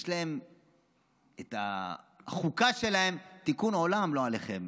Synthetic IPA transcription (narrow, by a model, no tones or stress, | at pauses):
ʃlae̞m | eta̰ | χukaʃe̞lahe̞mt̪ikuno̞lamlo̞ale̞χe̞m